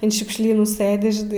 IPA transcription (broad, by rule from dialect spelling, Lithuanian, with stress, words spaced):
ɐn ʃʲʊkʃʲˈlʲiːnuː ˈsɘdʲɪ ˈʒʲɪ